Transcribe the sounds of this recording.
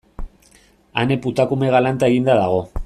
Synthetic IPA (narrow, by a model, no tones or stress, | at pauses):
ane̞put̪akume̞ɣ̞alant̪ae̞ɣind̪aðaɣ̞o̞